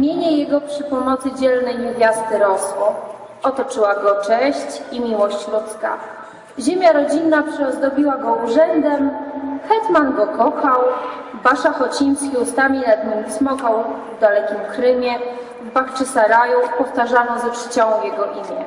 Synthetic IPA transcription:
mʲjeɲɛjɛɡɔpʂɘpunɔt̪sɘd͡ʑɛlnɛjɲevʲjast̪ɘɾɔswɔ | ɔt̪ɔt͡ʂɘwaɡɔt͡ʂɛɕt͡ɕimʲiwɔɕt͡ɕlut̪ska̰ | ʑemʲjaɾɔd͡ʑinːapʂɛɔzd̪ɔbʲiwaɡɔuʐɛnd̪ɛmxɛt̪manɡɔkɔxaw | baʂaxɔt͡ɕiɲ̃skʲiust̪amʲilɛd̪nɔmʲismɔkawvd̪alɛkʲimkɾɘmʲjɛ | vbaxt͡ʂɘsaɾajupɔft̪aʐanɔzɛpʂɘ̥t͡ɕɔwɔ̃w̃jɛɡɔʔimʲjɛ

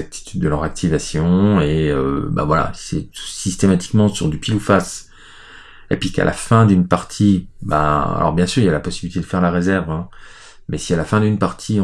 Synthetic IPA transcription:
ak̚t̪ʰi̥t̪ʰyd̪ːəlœʁak̚t̪ʰivasjɔ̃eøba̰vwala̰sɛt̪u̥sist̪emat̪i̥kmɑ̃syʁd̪ypilufas | epɥika̰lʔa̰fɛ̃d̪ynpaʁt̪ʰiba̰a̰lʔɔ̰ʁbjɛ̃syʁiljalapɔsibilit̪ed̪əfɛʁlaʁezɛʁvɛ̃ | mɛsialafɛ̃d̪ynpaʁt̪ʰĩ

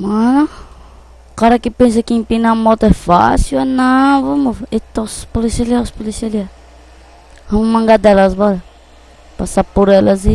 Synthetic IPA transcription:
mɐ̃nũ | kaɾɐkɪpẽs̬ɐkɪẽpinamɔt̪ʊɛfa̰siwanɐ̃vɐmuet̪ospolisialiaspolisialia | vɐ̃mmɐ̃ŋɡad̪ɛlɐsbɔɾɐ | pasapoɾɛlɐzi

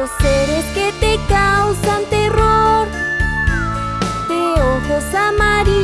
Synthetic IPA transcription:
oseɾesket̪ekawsant̪eroɾ | t̪eoxosamaɾi

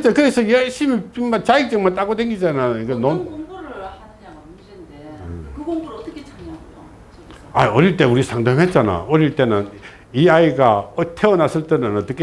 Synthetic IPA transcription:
t͡ɕakɯɾesʰʌjeɭɕ͈imit͡ɕimat͡ɕaik̚t͡ɕ͈ɯŋmaɭt̬͈aɡodeŋɡid͡ʑanajoik͈anoŋɾa | ɯkɯoŋoʌt͈ʌkʰet͡ɕʰaŋa | aiʌɾiɭt͈e̞uɾisʰaŋdaŋɦe̞t̚t͡ɕ͈ana̰ʌɾiɭt͈e̞nɯn | iaiɡatʰeʌnasʰɯɭt͈enɯnʌt͈ɯkʰːe

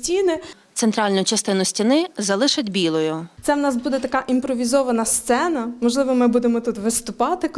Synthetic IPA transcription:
tʲinɪt̪sent̪ɾɑlʲnʊt͡ʃɐst̪ɪnʊsʲtʲinɪzɐlˠɪʃɐdʲbʲilˠɔjʊt̪sɛwnɑsbud̪ɛt̪ɐkɑʔimpɾɔʋʲizɔʋɐnɐst̪sɛnɐmɔʒlˠɪʋɔmɪbud̪emɔt̪ut̪ʋɪst̪ʊpɑt̪ɪ

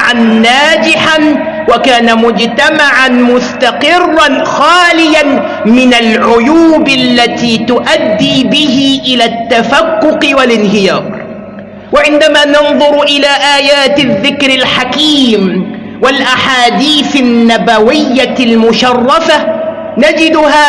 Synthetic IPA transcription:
ʕanːaːd͡ʒɪħan | wakaːnamʊd͡ʒt̪amaʕanmʊst̪aqɪrˤːɑnxaːlɪjan | mɪnalʕʊjuːblːat̪iːt̪ʊʔad̪ːiːbɪɦɪʔɪlaːt̪ːafakːʊqɪwalɪnɦɪjɑːɾɾˤ | waʕɪnd̪amaːnɑnðˤʊɾʔɪlaːʔaːjaːt̪ɪðːɪkɾɪlħakiːm | walʔaħaːd̪iːθanːabawɪjːalmʊʃɑrˤːɑfa | nad͡ʒɪd̪ʊhaː

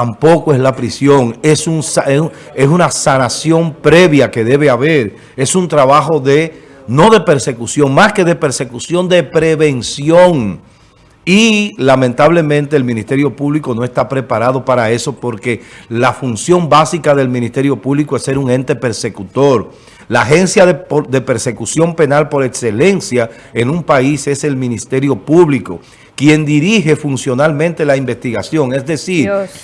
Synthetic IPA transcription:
t̪ampo̞koe̞slapɾisjo̞ŋesuŋs | e̞sunasanasjo̞mpɾe̞βjake̞ðe̞βe̞aβe̞ɾ | e̞sunt̪ɾaβaxo̞ðe̞ | no̞ðe̞pe̞ɾse̞kusjo̞ŋmaske̞ðe̞pe̞ɾse̞kusjo̞nd̪e̞pɾe̞βe̞nsjo̞ŋ | ilamẽnt̪aβle̞mẽnt̪eːlmĩnist̪e̞ɾjo̞puβliko̞no̞est̪apɾe̞paɾað̞o̞paɾae̞so̞po̞ɾke̞lafunsjo̞mbasikaðe̞lmĩnist̪e̞ɾjo̞puβlikoesːe̞ɾuŋẽ̞nt̪e̞pe̞ɾse̞kut̪o̞ɾ | laːxe̞nsjaðd̪e̞pe̞ɾse̞kusjo̞mpe̞nalpo̞ɾe̞kse̞le̞nsja | enumpaise̞se̞lmĩnist̪e̞ɾjo̞puβliko̞ | kje̞nd̪iɾiɦe̞funsjo̞nalmẽnt̪e̞laimbe̞st̪iɣasjo̞ŋesðe̞siɾ

